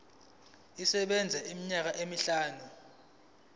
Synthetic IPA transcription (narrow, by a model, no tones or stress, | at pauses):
isɛɓɛnd͡zʱɛʔimiɲak̬aʔemiɬaːnu